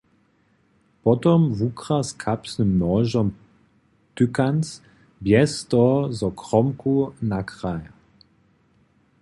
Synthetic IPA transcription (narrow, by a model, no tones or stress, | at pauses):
pɔtɔmvukʁaskʰapsnəmnɔːʒɔm | tʏkans | bjɛstɔzɔkʁɔmkunakʁaj